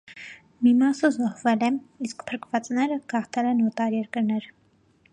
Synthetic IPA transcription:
mimɑsəzɔhvɛlɛniskpʰəɾkvɑt͡snɛɾəɡ̥ɑχt̪ʰɛlɛnɔt̪ɑɾjɛɾkəɾnɛɾ

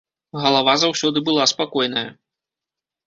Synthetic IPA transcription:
ɣɐlˠavazawsʲɔd̪ɨbɨlˠaspakɔjnɐjɐ

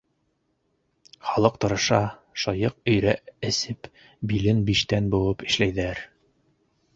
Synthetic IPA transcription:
χɒlˠɤq̚t̪ɤ̆ɾɤ̆ʃɑʃɒjɤq̚ɵ̆jɾæɘ̆sɘp | bilɘnbiʃt̪ænbulˠɤpɘ̥̆ʃlæjðæɾ

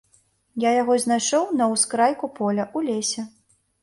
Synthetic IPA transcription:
jajaɣɔzʲnajʂɔwnɐwskɾajkupɔlʲɐʔulʲɛsʲɛ

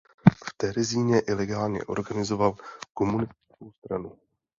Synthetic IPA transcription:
ft̪ɛɾɪziːɲɛʔɪlɛɡaːlɲɛ̰ʔo̞̰ɾɡanɪzo̞valko̞munɪst̪̚ɪko̞wst̪ɾanu

